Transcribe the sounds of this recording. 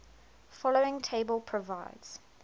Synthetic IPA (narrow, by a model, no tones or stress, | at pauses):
fɔloɪ̃ŋtʰeɪbəlˠpʰɹ̥əvaɪdz̥